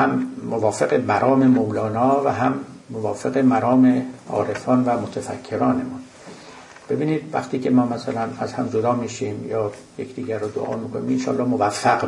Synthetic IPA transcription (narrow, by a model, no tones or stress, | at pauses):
hæmːovɒːfeɣemæɾʔɒːmemowlɒːnɒːvæɦæmːovɒːfeɣemæɾɒːme̞ɒ̰ːɾefɒːnvæmot̪ʰæfæ̰kʰːe̞ɾɒːne̞mun | b̥e̞biːniːd̪̥væ̰xt̪ʰiːcʰe̞mɒːmæsælænæzhæmd͡ʒod̪ɒːmiːʃimjɒː | jekd̪iːɟæɾːod̪o̰ʔɒ̰ːmiːkʰoniminʃɒ̰ːlːɒːhmovæfːæɡ